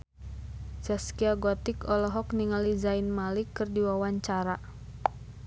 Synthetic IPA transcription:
d͡ʒaskiaɡɔt̪ikɔlɔɦɔkniŋalizainmalikːɨrdiwawaɲt͡ʃaɾa

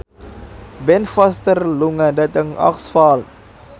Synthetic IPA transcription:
bɛnfɐstərluŋədətəŋɐ̰ksfɑːl

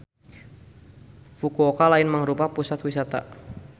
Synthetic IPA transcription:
fukuokalaɪnməŋɾupapusat̪wisat̪a̰

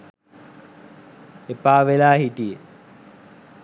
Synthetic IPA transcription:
epaːʋelaːɦiʈije

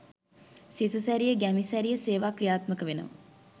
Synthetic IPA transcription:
sisusæɾijəɡæmisæɾijəseːʋaːkɾijaːt̪məkəʋenə̰ʋə̰

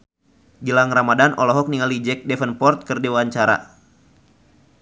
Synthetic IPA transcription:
ɡilaŋramadanʔɔlɔɦɔk̚niŋalid͡ʒɛk̚dɛfənpɔrt̪̚kərdewaɲt͡ʃaɾa̰

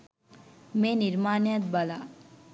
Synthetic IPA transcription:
meniɾmaːnat̪̚bala̰

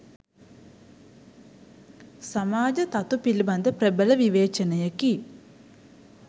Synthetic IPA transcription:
samaːd͡ʒɐt̪ɐt̪upilibɐnd̪əprebələʋiʋeːt͡ʃɐnɐjəki

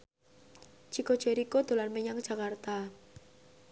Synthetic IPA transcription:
t͡ʃiko̥ʒ̥eɾikod̪̥o̤lanməɲaŋ̥ʒ̥a̤kart̪a

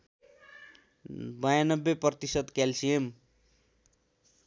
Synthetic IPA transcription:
bʌjanʌbːepʌt̪isʌd̪kalsijem

